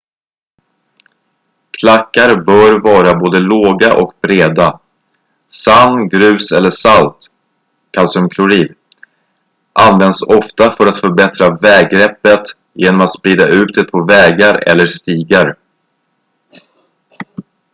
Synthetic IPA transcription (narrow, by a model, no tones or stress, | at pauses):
kʰlakːaɾbœɾvɑːɾaboːd̪əloːɡaʔɔkbɾeːd̪a | sanːɡɾʉ̟ːsɛlːəʂalt̪ | kʰalsœmkʰlʊɾiːl | ʔanvɛnd̪sɔft̪afœɾat̪fœɾbɛt̪ɾavɛːɡːɾɛpːət̪ | jeːnɔmat̪spɾiːd̪aʉ̟ːt̪̚d̪ɛpʰɔvɛːɡaɾɛ̰lːəst̪iːɡaɾ